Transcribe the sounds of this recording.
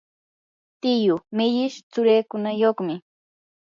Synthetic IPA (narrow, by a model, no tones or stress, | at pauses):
t̪ɪjʊmɪʎɪʃt͡sʊɾeːkʊnajoχmɪ